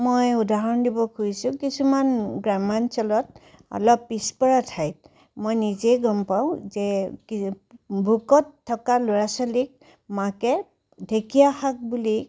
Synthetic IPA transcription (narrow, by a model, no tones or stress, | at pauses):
mojudʱaɦɔndibɔkuisʊ̃kisumanɡɹamansɔlɔt | ɔ̰lɔpːispɔɹatʰajt̚ | mojnizejɡɔmpaw̃zɛki | bʱukɔtʰːɔkalʊɹasalik̚ | makɛ | dʱekijaxak̚buli